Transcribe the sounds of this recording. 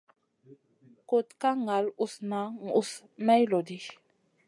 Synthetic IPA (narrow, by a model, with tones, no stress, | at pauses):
ko˨tka˦ŋa˨lu˨sna˨˦ŋu˦˨s | mɛ˦jlɔ˨di˦